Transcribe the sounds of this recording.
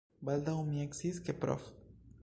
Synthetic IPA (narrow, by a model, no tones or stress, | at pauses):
bald̪aumieksiskepɾɔ̰f